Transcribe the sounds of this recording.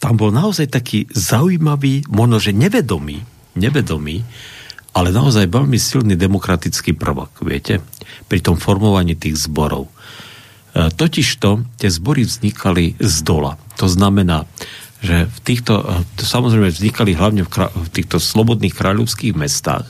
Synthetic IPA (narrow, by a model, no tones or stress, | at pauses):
t̪ambɔlnaɔzajt̪akʰiːzauiːmaʋiːmɔʒnɔʒɛɲɛʋɛd̪ɔmḭː | ɲɛʋɛd̪ɔmiːʔalɛnaɔzajʋɛʎmisilnid̪ɛmɔkɾat̪it͡skiːpr̩ʋɔ̰kʋɪɛ̰cɛpɾit̪ɔmfɔɾmɔʋaɲiːt̪iːɣzbɔɾɔ̰ʊ | t̪ɔciʃt̪ɔt̪ɪɛzbɔɾivzɲikʰalizd̪ɔla̰t̪ɔznamɛnaː | ʒɛft̪iːxt̪ɔ̰samɔzɾɛjmɛvzɲikaliɦlaʊɲɛfkɾa̰ft̪iːxt̪ɔslɔbɔd̪niːxkɾaːʎɔʊskiːɣmɛst̪a̰ːx